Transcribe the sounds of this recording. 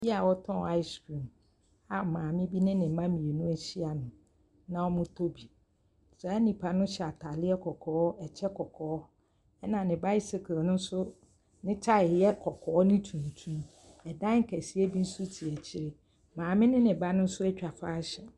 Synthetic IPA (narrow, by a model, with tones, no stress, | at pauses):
bi˦a˨wɔ˦tʰɔ̃˦˨a˦ɪ˦skɾĩ˨m | a˨mãː˨mɪ̃˦bi˦nɪ̃˦nɪ̃˨m̩˨mã˦mĩ˨e˨nũ˦æ˨ɕi˦a˨nʊ̃˨ | nã˦wɔ˦mʊ̃˦tʰo˦bi˨ | sɛ˨˦nĩ˨pʰa˨nʊ̃˦ɕɛ˨a˨tʰa˨lɪ˦ɛ˦kʰɔ˨kʰɔː˨˦ɛ˨t͡ɕʰɛ˦kʰɔ˨kʰɔː˨ɔ˦ | ɛ˦nã˨nɪ̃˨ba˦ɪ˦sɪ˨kʰnʊ̃˦n˦sʊ˦ | nɪ̃˦t͡ɕʰa˦ɪ˨jɛ˦kʰɔ˨kʰɔː˨˦ɔ˦nɪ̃˦tʰũ˨n˨tʰũ˦m | ɛ˨dã˦ŋ̩˦kʰæ˨si˦e˦bi˦n̩˦sʊ˦tʰi˨ɛ˨t͡ɕʰɪ˦ɾɪ˦ | mãː˨mɪ̃˦nɪ̃˦nɪ̃˨ba˦nʊ̃˦n̩˦sʊ˦ɛ˦t͡ɕᶣa˨faː˦ɕɛ˨